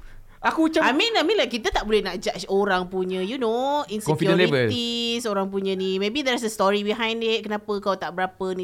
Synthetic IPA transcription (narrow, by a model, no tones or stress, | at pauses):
ʔakut͡ʃaamĩnamĩnlakit̪ət̪aʔbolɛnaʔd͡ʒat͡ʃoɾaŋpuɲə̃junoĩnskɔ̃kfidə̃levəlisoɾaŋp̬uɲə̃nimebid̪ɛsəst̪ɔɹibiɦãjndɪt̚kənapəkawt̪aʔbəɾapənĩ